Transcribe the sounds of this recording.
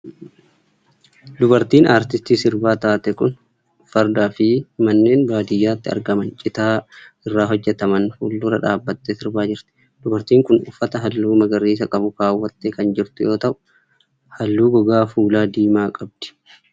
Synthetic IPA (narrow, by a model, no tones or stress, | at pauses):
d̪ʊbɐɾt̪iːnʔaːɾt̪ɪst̪iːsɪɾbaːt̪aːt̪ɛkʼʊn | fɐɾd̪aːfɪmɐnːe̞ːnbaːd̪ɪjːaːt̪ːɪɐ̰ɾɡɐmɐnt͡ʃʼɪt̪aː | ɪrːaːɦɔd͡ʒːɛt̪ɐmɐnfulːʊɾɐᶑaːbːɐt̪ːesɪɾbaːd͡ʒɪɾt̪ɪ̥ | d̪̥ʊbɐɾt̪iːŋkʊnʊfːɐt̪ɐɦɐlːuːmɐɡɐrːiːs̬ɐkʼɐbʊkaːwːɐt̪ːekɐnd͡ʒɪɾt̪ʊjo̞ːt̪ɐʔʊ̥ | hɐlːuːɡɔɡaːfuːlaːd̪iːmaːkʼɐb̚d̪̥ɪ̥